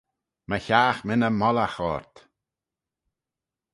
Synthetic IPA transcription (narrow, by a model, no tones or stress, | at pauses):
məçaːxmɪnəmɔlaxɔːɹt̪